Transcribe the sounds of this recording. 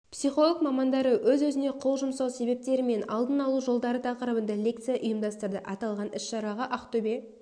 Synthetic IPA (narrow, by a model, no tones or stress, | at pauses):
psijχo̞lˠək̚mɑmɑnd̪ɑɾəwɵzwɵzɪne̞qʰolˠʒʊmsɑwse̞be̞p̚t̪e̞ɾɪme̞nɑlˠd̪ənɑlˠuʒo̞lˠd̪ɑɾət̪ʰɑqəɾəbənd̪ɑlʲe̞kt̪sɨjaʔʊjəmd̪ɑst̪əɾd̪əʔɑt̪ɑlˠʁɑnɪsʃɑɾɑʁəʔɑqt̪ʰɵbe̞